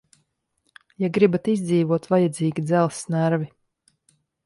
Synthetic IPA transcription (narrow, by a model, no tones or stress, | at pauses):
jaɡɾibat̪izd̪ziːvuɔt̪vajad̪zʲiːɡʲid̪zælˠsnaɾvi